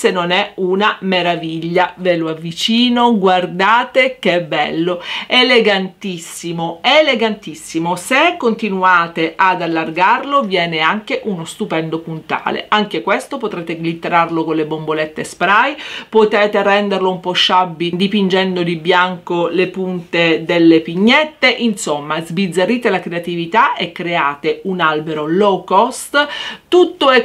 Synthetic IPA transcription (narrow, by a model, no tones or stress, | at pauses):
senːonɛunameɾaviʎːaveloavːit͡ʃiːnoɡward̪aːt̪ekɛbːɛ̰lːoeleɡant̪isːimoeleɡant̪isːimosekːont̪inuaːt̪eʔad̪alːarɡarlovjɛːneaŋkeʔunost̪upɛnd̪opunt̪a̰ːlḛaŋk̟ekwest̪opot̪ɾɛːt̪eɡlit̪ːeɾarlokonlebombolet̪ːespɾajpot̪ɛːt̪erɛnd̪erloumpɔʃːabːid̪ipind͡ʒɛnd̪od̪ibjaŋkolepunt̪ed̪elːepiɲːɛt̪ːeʔinsomːazbid̪zːeriːt̪elakɾeat̪ivit̪aʔɛkːɾeaːt̪eunalbeɾolɔkɔst̪t̪ut̪ːoɛ